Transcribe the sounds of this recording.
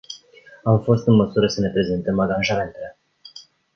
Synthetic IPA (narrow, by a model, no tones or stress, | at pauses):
amfo̞st̪ɨnməsuɾəsəne̞pɾe̞ze̞nt̪əmaɡanʒame̞nt̪ele̞